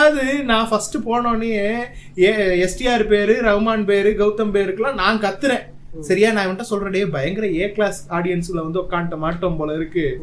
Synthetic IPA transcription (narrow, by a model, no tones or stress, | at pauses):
aðɯnãːfɐsʈɯpoːɳõːnejeeːɛsʈɪaːɾpeːɾɯɾɐʋmaːnpeːɾɯɡɐʋt̪ːɐmpeːɾɯkːɯlãːnãːkɐt̪ːɯɾẽː | sɐɾɪjaːnãːɪʋɐnʈːaːsɔlɾɐɽɐjebɐjɐŋɡɪɾɐeːkɭaːsaːɽɪjɐnsɪlɐʋɐnd̪ɯɔkːaːnʈːɐmaːʈːompoːlɐɪɾɯkːɯ